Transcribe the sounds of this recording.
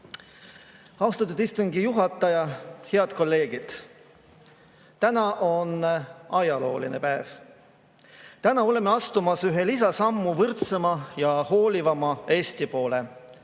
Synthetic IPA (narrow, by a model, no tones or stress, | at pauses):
ɑwst̪ɑt̪ːud̪ist̪uŋɡijuɦɑt̪ːˑɑjɑhe̞ɑd̪̥̚ko̞lːe̞ːɡ̥id̪̥ | t̪ænɑʔo̞nɑjɑlo̞ːline̞pæev̥ | t̪ænɑo̞le̞me̞ɑst̪umɑsyɦe̞lis̬ɑsɑmːuvɤrt̪semɑjɑho̞ːlivɑmɑe̞ːst̪ipo̞ːle